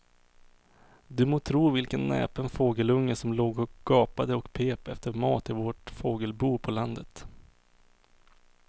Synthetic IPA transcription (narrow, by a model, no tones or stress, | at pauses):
d̪ɵmoːt̪ʰɾuːvɪlkənːɛ̰ːpənfoːɡəlɵŋːəsɔmloːɡɔɡ̥ɑːpad̪əɔkpʰeːpɛft̪əɾmɑːt̪ɪvoːʈfoːɡəlbuːpʰɔland̪ət̪